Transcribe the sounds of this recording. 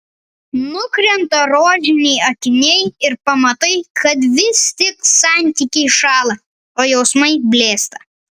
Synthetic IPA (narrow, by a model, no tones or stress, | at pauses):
nʊkɾʲɛnt̪ɐɾoːʒʲɪnʲɛɪɐt̪ʲɪnʲɛɪɪɾpɐmɐt̪ɐɪkʰɐt̪ʋʲɪst̪ʲɪksɑˑnʲt̪ʲiˑkʲɛɪʃɑːlˠɐ | oːjɛʊsmɐɪbʲlʲeːst̪ɐ